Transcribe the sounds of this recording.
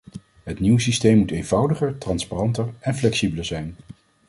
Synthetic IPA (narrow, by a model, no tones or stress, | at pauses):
ɦətniwsistejmːutejnvʌwdəχəɹtrɑnsparɑntəɹɛnflɛksibələɹzɛjn